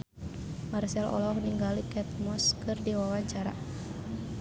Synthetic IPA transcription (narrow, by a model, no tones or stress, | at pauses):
marsɛlɔ̰lɔhniŋɡalikɛt̪̚mɔskɨrdiwawaɲt͡ʃaɾa̰